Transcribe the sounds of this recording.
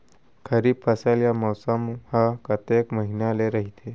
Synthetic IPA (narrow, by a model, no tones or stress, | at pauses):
kʰəɾiːbfʰəsaljamɔwsamhakət̪ekməɦineleɾəɦit̪ʰe